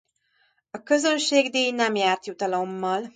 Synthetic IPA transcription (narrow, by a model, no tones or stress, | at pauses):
ɒkø̞zø̞nʃeːɡd̪eːjnɛmjaːrt̪jut̪ɒlo̞mːɒl